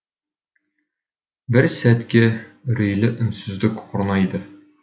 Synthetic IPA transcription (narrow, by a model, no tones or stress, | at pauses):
bɘɾsæt̪kɘɾɵ̆jlɘʔɵ̆nsɵ̆zlɘkuɾ̆nɑid̪ɘ